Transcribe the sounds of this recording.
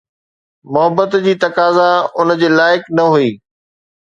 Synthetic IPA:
mʊɦəbːət̪d͡ʑiːt̪ɐkaːzaʊnd͡ʑeːlaːɪknɐɦuiː

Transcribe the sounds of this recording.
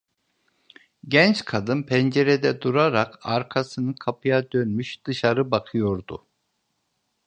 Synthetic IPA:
ɟɛnt͡ʃkʰad̪ɯnpʰɛnd͡ʒeɾed̪ɛd̪uɾaɾakʰaɾkʰasɯnɯkʰapʰɯjad̪ønmyʃd̪̥ɯʃaɾɯbakʰɯjo̞ɾd̪u

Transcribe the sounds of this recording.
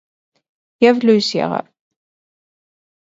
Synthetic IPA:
jævlujsḭʁə̰ɾ

